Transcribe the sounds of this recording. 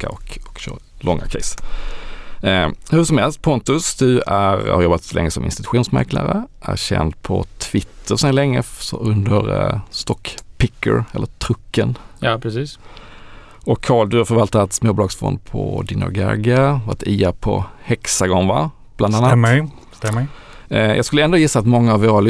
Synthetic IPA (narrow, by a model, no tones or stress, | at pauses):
kaɔkɔkɕœːɾ | lʔɔŋːakʰɛɪs | hɵʂɔmhɛlst̪̚pʰɔnt̪ɵsd̪ɵæɾhaɾjɔbːat̪sɔlɛŋːəsɔmʔɪnst̪ɪt̪ɵ̥ɧuːnsmæɾklʔa̰ɾəʔæɾɕɛ̰nd̪pʰɔt̪ʰvɪt̪ʰːəɾsɛnlɛŋːəsɔɵnd̪əɾst̪ɔkpɪkːə̰ɾɛlːət̪ʰɾɵkːənjpʰɾɛsiːs | ɔkʰːɑːld̪ɵhaɾfœɾvalt̪at̪smoːblɑːɡsfɔ̰nd̪̚pʰɔd̪ɪnɔ̰ɡa̰ɡavɑt̪ʰiːapʰɔhɛksaɡɔŋːva̰ | b̥land̪anːa | t̪ɛ | jʔɑːɡskɵlːɛnd̪oːjɪsːaːt̪mɔŋːaːvoːɾal